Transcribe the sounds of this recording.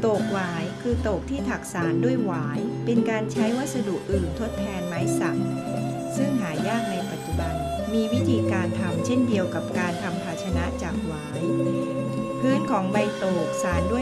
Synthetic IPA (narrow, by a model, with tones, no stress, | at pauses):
t̪oː˨˩k̚waː˩˦jkʰɯː˧t̪oː˨˩k̚t̪ʰiː˥˩t̪ʰa˨˩k̚saː˩˦ndu˥˩əjwaː˩˦jpe˧nkaː˧nt͡ɕʰa˦˥jwa˦˥t̪̚sa˧du˨˩kʔɯː˨˩nt̪ʰo˦˥t̪ʰːɛː˧nmaː˨˩˦jsa˨˩k̚ | sɯ˥˩ŋɦaː˩˦jaː˥˩k̚na˧jpa˨˩t̪̚t͡ɕu˨˩ba˧n | miː˧wi˦˥t̪ʰiː˧kaː˧nt̪ʰa˧mt͡ɕʰe˥˩ndi˧əwka˨˩p̚kaː˧nt̪ʰa˧mpʰaː˧t̪̚t͡ɕʰa˧na˦˥ʔt͡ɕaː˨˩k̚waː˩˦j | pʰɯː˦˥˩nkʰɔː˩˦ŋba˧jt̪oː˨˩k̚saː˩˦ndu˥˩ə